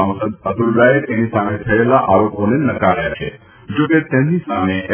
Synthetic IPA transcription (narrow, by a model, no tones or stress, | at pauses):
ãw̃səd̪̚əd̪ʱulɾaet̪enisamet̪ʰəelaʔaɾoponenəkaɾjat͡ʃʰḛ | d͡ʒoket̪emnisame